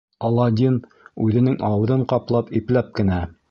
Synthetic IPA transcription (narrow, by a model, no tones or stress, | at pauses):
ɑlˠɑd̪ʲin | ʉðɘ̆nɘŋʔɑwɤ̆ðɤɴqɑplˠɑpiplæp̚kɘ̆næ